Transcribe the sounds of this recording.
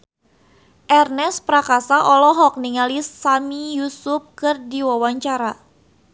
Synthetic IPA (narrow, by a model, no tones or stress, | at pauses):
ʔɛrnɛspɾakasaʔɔlɔɦɔk̚niŋalisːamijusʊp̚kɨrdiwawaɲt͡ʃaɾa